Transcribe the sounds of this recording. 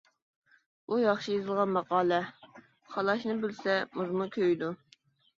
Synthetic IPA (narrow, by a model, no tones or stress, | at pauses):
ujɑχʃijezɨlˠʁɑnmɑqɑːlˠɛ | χɑlˠɑʃnɨbɪlsɛmuzmukʲʰøjd̪u